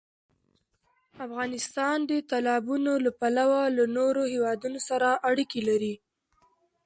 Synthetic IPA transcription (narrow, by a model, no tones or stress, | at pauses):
afɣɑnɪst̪ɑnd̪ət̪alɑbunolapalawalanoɾohewɑd̪unosaɾaʔaɽikelaɾi